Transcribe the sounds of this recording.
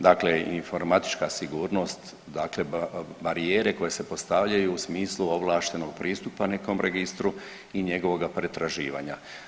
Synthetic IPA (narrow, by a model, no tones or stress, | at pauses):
d̪akleinfo̞ɾmat̪i̥t͡ʃkasiɡuːɾno̞ːst̪ | d̪aːkle̞baɾieːɾe̞ko̞je̞se̞po̞st̪aʋʎajuːsmiːsluo̞ʋlˠaːʃt̪e̞no̞ɡ̚pɾʔiːst̪upane̞ko̞mɾʔeɡist̪ɾu | iɲe̞ɡo̞ʋo̞ɡapɾe̞t̪ɾaʒiːʋa̰ːɲa